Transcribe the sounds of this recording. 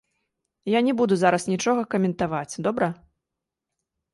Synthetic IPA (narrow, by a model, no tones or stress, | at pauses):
janʲɛbud̪uzaɾɐsnʲit͡ʂɔɣɐkɐmʲɛnt̪avat͡sʲd̪ɔbɾɐ